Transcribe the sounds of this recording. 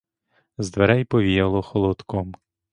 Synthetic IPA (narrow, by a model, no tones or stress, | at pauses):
zd̪ʋeɾɛjpɔʋʲijɐlˠɔxɔlˠɔt̪kɔm